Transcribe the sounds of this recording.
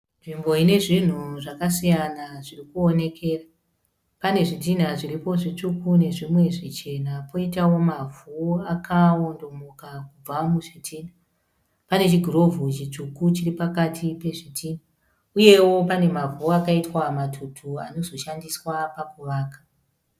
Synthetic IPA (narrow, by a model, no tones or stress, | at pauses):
nʐimbo̞ine̞ʐin̤uʐakasijanaʐirikuone̞kʰe̞ːra | pane̞ʐit̬in̤aʐiɾipo̞ʐit͡ʂukune̞ʐimwe̞ʐit͡ʃe̞napʰo̞itawo̞mavuakʰao̞ndo̞mokakub͡vamuʐitʰiːn̤a | pane̞t͡ʃiɡʱuro̞vʱut͡ʃit͡ʂukut͡ʃiripakatʰipe̞ʐitʰin̤a | uje̞wo̞pane̞mavuakaitwamatʰutʰua̰no̞zo̞ʃandiswapakuʋaːkḁ